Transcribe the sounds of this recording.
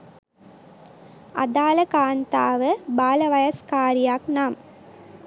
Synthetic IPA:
a̰d̪aːləkaːnt̪a̰ːʋəbaːlɐʋɐjɐskaːɾijaːknaːm

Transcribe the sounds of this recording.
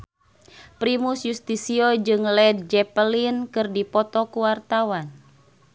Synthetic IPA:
pɾimusjust̪isiod͡ʒɨŋlɛd̚d͡ʒɛpəlinkɨrdipɔt̪ɔkuwart̪awan

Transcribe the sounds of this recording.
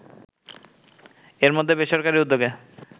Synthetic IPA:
eɾmod̪ʱːebeʃoɾkaɾiud̪ːoɡe

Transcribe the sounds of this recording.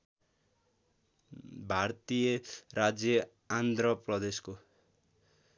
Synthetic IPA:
bʱart̪ijʌrad͡zjʌ | and̪rʌprʌd̪esko

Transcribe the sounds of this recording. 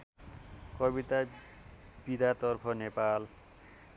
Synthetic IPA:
kʌbit̪a | b̥id̪ʱat̪ʌrpʰʌnepal

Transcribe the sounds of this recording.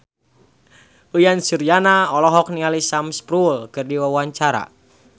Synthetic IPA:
ujansurjanaɔlɔɦɔk̚nialisamspɾulkɨrdiwawaɲt͡ʃaɾa̰

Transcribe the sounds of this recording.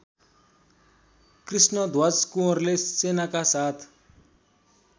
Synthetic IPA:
krisnɔd̪ʱwat͡skũrlesenakasaːt̪ʰ

